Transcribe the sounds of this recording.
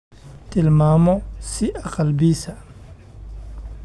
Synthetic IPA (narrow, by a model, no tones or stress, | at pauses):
t̪ʰɪlmaːmɔsɪʔɐqɑlbiːsɐ